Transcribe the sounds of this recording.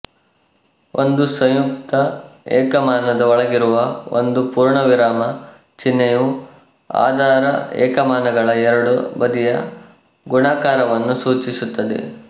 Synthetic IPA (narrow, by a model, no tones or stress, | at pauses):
ʔo̰nd̪usɐ̃wjuk̚t̪ɐɛːkɐmaːnɐd̪ɐɔɭɐɡiɾuʋɐo̰nd̪upuːɾɳɐʋiɾaːmɐ | t͡ʃinːɐju | a̰ːd̪ʱaːɾɐɛ̰ːkɐmaːnɐɡɐɭɐɛɾɐɽubɐd̪ijɐ | ɡuɳaːkaːɾɐʋɐnːusuːt͡ʃisut̪ːɐd̪ḛ